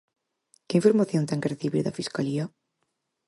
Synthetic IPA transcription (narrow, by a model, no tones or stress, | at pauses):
keiɱfoɾmaθjont̪eŋkereθiβḭɾðafiskalia